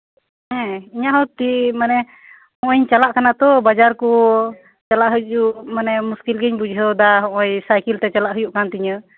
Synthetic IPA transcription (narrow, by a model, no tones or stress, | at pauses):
ɛ̃iɲaɦɔt̪imanɛ | hɔ̃ʔɔɲt͡ʃalaʔkanat̪ɔbad͡ʒaɾkɔ | t͡ʃalaʔɦəjʔuʔmanɛmuskilɡiɲbud͡ʒɦəd̪aɦɔ̃ʔɔjsajkilt̪ɛt͡ʃalaʔɦəjuʔkant̪iɲə